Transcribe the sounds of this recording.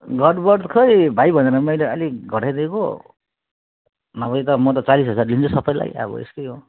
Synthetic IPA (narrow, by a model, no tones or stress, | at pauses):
ɡʌɖbʌrd̪kʰʌjbʱajbʱʌneɾʌmʌjleʌ̰liɡʱʌʈajd̪eko̰ | nʌbʌjt̪ʌmʌt̪̬ʌt͡salisɦʌd͡zarlint͡sʰosʌpʌjla̰ja̰bʌ̰ḛst̪ʌjɦo